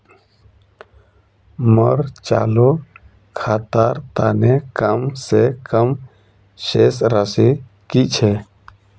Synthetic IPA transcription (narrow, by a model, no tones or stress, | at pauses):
məɾt͡ʃa̰ːlo | kʰaːt̪aɾt̪aːnekəmsekəm | ʃesɾəse | kit͡ʃʰɛ